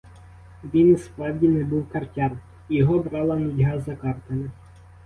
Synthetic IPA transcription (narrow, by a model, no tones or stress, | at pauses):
ʋʲinuspɾɑwdʲinɛbuwkɐrtʲɑn | jɔɦɔbɾɑlˠɐnʊdʲɦɑzɐkɑrt̪ɐle